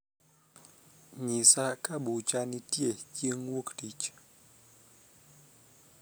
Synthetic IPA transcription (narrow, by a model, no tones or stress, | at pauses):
ɲisakaɓut͡ʃanitjekjəŋwuktit͡ʃ